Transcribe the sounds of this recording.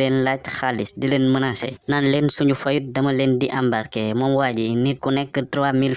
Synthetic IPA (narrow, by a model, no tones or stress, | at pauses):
enlacxaːlisdileːnmənasɛ̰nanleːnsuɲufɐjut̚dɐmɐleːndiʔambaɾkɛmɔmwaːɟinikunɛkːətɾwamil